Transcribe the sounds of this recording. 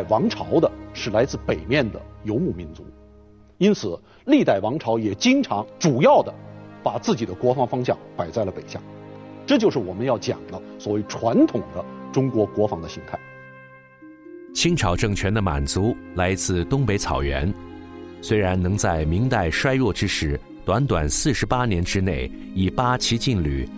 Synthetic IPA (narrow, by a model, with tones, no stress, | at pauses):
a˥˩ɪwɑ˧˥ŋʈ͡ʂʰɑ˧˥ʊd̪ə˧ʂɻ̩˥˩la˧˥ɪt͡sɹ̩˥˩pe˨˩ɪmjɛ˥˩nd̪ə̰˩jo˧˥ʊmu˥˩mi˧˥nt͡sṵ˧˥ | i˥nt͡sʰɹ̩˨˩ | li˥˧t̪a˥˩ɪwɑ˧˥ŋʈ͡ʂʰɑ˧˥ʊjɛ˨˩t͡ɕi˥ŋʈ͡ʂʰɑ˧˥ŋʈ͡ʂu˨˩jɑ˥˩ʊd̪ə˩pa˨˩t͡sɹ̩˥˩t͡ɕi˨˩d̪ə˦kwɔ˧˥fɑ˧˥ŋfɑ˥ŋɕjɑ̰˥˩ŋpa˨˩ɪt͡sa˥˩ɪlə˩pe˨˩ɪɕja̰˥˩ | ʈ͡ʂɤ˥˩t͡ɕjo˥˧ʊʂɻ̩˥˩wɔ˨˩mə˦njɑ˥˩ʊt͡ɕjɑ̰˨˩ŋlə˦swɔ˨˩we˥˩ɪʈ͡ʂʰwa˧˥nt̪ʰʊ˨˩ŋd̪ə˦ʈ͡ʂʊ˥ŋkwɔ˧˥kwɔ˧˥fɑ˧˥ŋd̪ə˧ɕi˧˥ŋt̪ʰa˥˩ɪ | t͡ɕʰi˥ŋʈ͡ʂʰɑ˨˩ʊʈ͡ʂɤ˥˩ŋt͡ɕʰɥɛ˧˥nd̪ə˧ma̰˨˩nt͡su˧˥la˧˥ɪt͡sɹ̩˥˧t̪ʊ˥ŋpe˧˥ɪt͡sʰɑ̰˨˩ʊɥɛ̰˧˥n | swe˥ɪɻa˧˥nnɤ˧˥ŋt͡sa˥˩ɪmi˧˥ŋt̪a˥˧ɪʂwa˥ɪɻwɔ˥˩ʈ͡ʂɻ̩˥ʂɻ̩˧˥ | t̪wa˧˥nt̪wa̰˨˩nsɹ̩˥˩ʂɻ̩˧˥pa˥njɛ˧˥nʈ͡ʂɻ̩˥ne˥˩ɪ | i˨˩pa˥t͡ɕʰi˧˥t͡ɕi˥˧nly̰˨˩